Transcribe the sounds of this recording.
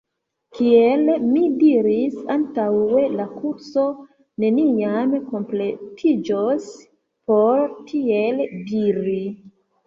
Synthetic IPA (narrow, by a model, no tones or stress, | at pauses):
kielmidiɾisantawe̞lakuɾso̞ | ne̞niamko̞mple̞tʰid͡ʒos | poɾtʰie̞ldiɾi